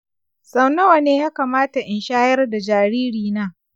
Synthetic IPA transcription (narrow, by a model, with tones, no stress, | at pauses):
sa˨wnɐ˦wa˨neː˦jaː˦kaː˨maː˦ta˨ʔɪ˨nʃaː˦jɐ˦rda˨d͡ʒaː˨ɾiː˦ɽiː˨naː˦